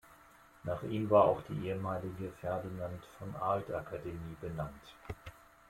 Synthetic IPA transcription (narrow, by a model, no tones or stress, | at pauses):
naːχʔiːmvaːɐʔa̰ʊxd̥ḭːʔeːəmaːlɪɡəfɛɐdinantfɔnʔa̰ɐltʔakʰademiːbənant